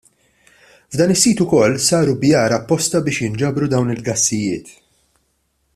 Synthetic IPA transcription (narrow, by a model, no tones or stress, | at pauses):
vd̪ɐːnɪsːiːt̪ʊkɔlːsɐːɾubjɐːɾɐpːɔst̪ɐbɪːʃjɪnd͡ʒɐbɾud̪ɐwnɪlɡɐsːɪjɪːt̪